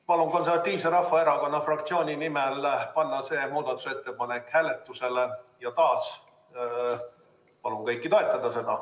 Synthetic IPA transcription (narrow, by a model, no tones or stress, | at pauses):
pɑlunko̞ns̬evɑt̪ːˑiːvse̞ɾɑfːɑe̞ɾɑko̞nːɑfrɑkt̪sio̞ːnʲinimelpɑnːɑse̞ːmuːd̪̥ɑt̪ːˑu̥se̞t̪ːe̞pɑnekːˑhæːle̞t̪ːˑuse̞lejɑt̪ɑːs | pɑlunkɤjkːˑit̪o̞e̞t̪ːˑɑd̪̥ɑse̞d̪ɑ